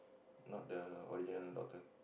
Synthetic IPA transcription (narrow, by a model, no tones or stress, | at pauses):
nɔt̚dəɔ̰ɾid͡ʒə̃ndɔ̰k̚t̪ə